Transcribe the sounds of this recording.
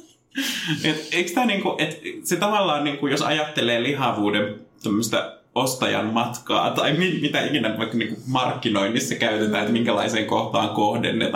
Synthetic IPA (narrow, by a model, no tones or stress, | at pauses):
et̪eikst̪æːniːŋkuʔet̪set̪ɑʋɑlːɑːnniːŋkujosɑ̰jɑt̪ːeleːliɦɑʋuːdemt̪omːøst̪ɑ̰ | ost̪ɑjɑ̰mmɑt̪kɑ̰ːt̪ɑiminmit̪æikinæʋɑikːɑniːŋkumɑrkːinoinːisːɑkæyt̪et̪æ̰ːet̪miŋkælɑ̰iseːŋkoht̪ɑːŋkohdḛnːḛt̪